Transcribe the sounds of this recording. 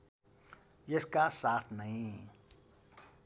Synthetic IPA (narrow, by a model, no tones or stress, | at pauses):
jeskaːsaːt̪ʰnaĩ